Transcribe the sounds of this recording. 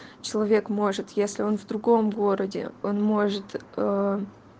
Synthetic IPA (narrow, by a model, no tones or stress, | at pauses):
t͡ɕɪlˠɐvʲe̞kmo̞ʐɨt̪jesʲlʲɪo̞nvd̪ɾʊɡo̞mɡo̞ɾədʲɪ̰o̞nmo̞ʐɨt̪ə